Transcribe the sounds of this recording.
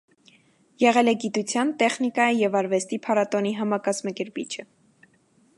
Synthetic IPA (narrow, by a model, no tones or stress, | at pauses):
jɛʁɛlɛɡit̪ut͡sʰjɑnt̪ɛχnikɑjijɛvɑɾvɛst̪ipʰɑɾɑt̪ɔniɦɑmɑkɑzmɑkɛɾpit͡ʃʰə